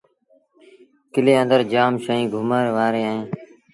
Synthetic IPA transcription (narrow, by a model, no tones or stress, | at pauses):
kɪleːə̃nd̪əɾd͡ʒaːmʃəːĩːɡʱʊmaːeːʋaːɾeːaːɦẽː